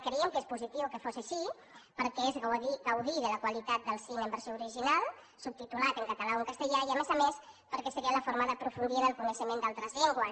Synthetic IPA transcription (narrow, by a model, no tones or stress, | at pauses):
kəɾiəmkespuzit̪iwkəfosaʃi | pəɾkɛezɣiɣəwðiðələkwəlit̪at̪̚d̪əlˠsinəmbəɾsjouɾiʒinalˠ | sup̚t̪it̪ulat̪əŋkət̪əlauŋkəst̪əʎaiəmezəmespəɾkɛsəɾiələfoɾməðəpɾufund̪iəðəlˠkunəʃəmend̪alˠt̪ɾəzʎeŋɡwə